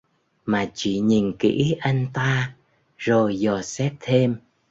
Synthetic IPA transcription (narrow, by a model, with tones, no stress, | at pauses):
maː˨˩t͡ɕḭ˧˨ɲi˨˩nkḭ˧˥ʔa˧jŋ̟t̪aː˧ | zo˨˩jzɔ˨˩sɛ˦˥t̚t̪ʰe˧m